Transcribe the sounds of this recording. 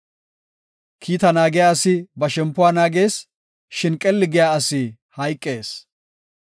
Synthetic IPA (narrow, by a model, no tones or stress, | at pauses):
kʰiːt̪ɐnaːɡɪjaːɐsɪbɐʃɛmpːʊwaːnaːɡeːs | ʃɪnkʼːɛlːɪɡɪjaːɐsɪ | hɐjkʼːeːs